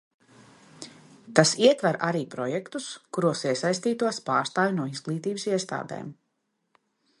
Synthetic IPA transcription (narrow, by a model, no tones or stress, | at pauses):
t̪asiɛt̪vaɾʔaɾiːpɾɔjɛkt̪uskuɾuɔsiɛsajs̬t̪iːt̪uɔspaːɾst̪aːjʲnuɔizɡlˠiːt̪iːbsiɛst̪a̰ːd̪ḛːm